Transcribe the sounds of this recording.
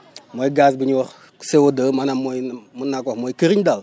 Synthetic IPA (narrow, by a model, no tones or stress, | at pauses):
mojɡas̬biɲwɔɾ | sewodəmanamːojmunakoxmojkiɾiɲdal